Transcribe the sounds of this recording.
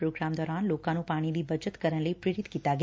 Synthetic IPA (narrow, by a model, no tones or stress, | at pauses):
pɾoɡɾamd̪ɔːɾanlokãnũpaɽ̃id̪ibəd͡ʒət̪kəɾəɳ̃ləipɾeɾit̪kit̪aɡ